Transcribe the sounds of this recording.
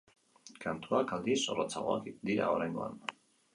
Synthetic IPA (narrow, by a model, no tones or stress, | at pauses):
kant̪uakald̪iso̞rot͡saɣoakd̪iɾa̰oɾajŋɡo̞a̰n